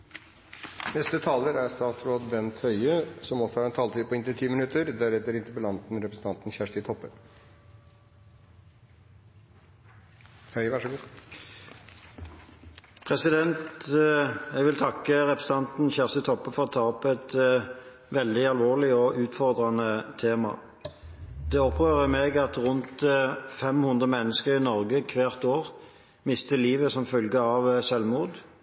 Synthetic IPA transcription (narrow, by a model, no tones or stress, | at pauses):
nɛst̪ət̪ʰɑːləɾæɾst̪ɑːt̪sɾoːd̪bɛnt̪hœʏəsɔmɔsɔhɑɾɛnt̪ʰɑːlt̪ʰyːpʰɔɪnt̪ɪlt̪ʰiːmɪnʉt̪əɾd̪æɾɛt̪əɾɪnt̪əpəlɑnt̪n̩ɾɛpɾəsn̩t̪ʰɑnt̪n̩çæʂɪt̪ʰɔpːə | hœʏʋæʂɔɡuː | pʰʁɛsɪd̪ɛnt̪ | ɛɡʋɪlt̪ʰɑkːəʁɛpʰʁəsɑnt̪n̩çæʁsɪt̪ʰɔpːəfɔʁɔt̪ʰɑːɔpɛt̪ | ʋɛld̪ɪɑlʋoːʁlɪɔʔʉːt̪fɔʁd̪ʁɑnət̪ʰeːmɑ̰ | d̪ɛɔpʁøːʁəmeːɡɑt̪ʁʊnt̪fɛmhʉnd̪ʁəmɛnːəskəʁɪnɔʁɡəkʰʋæːʁt̪oːʁ | mɪst̪əliːʋəsɔmfœlɡəɑʋsɛlmuːd̪